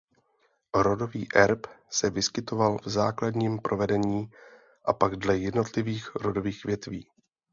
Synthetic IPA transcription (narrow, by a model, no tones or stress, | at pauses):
ɾo̞do̞viːʔɛɾpsɛvɪskɪt̪o̞valvzaːkladɲiːmpɾʔo̞vɛdɛɲiː | ʔapaɡdlɛjɛdno̞t̪lɪviːxɾodo̞viːxvjɛt̪vḭː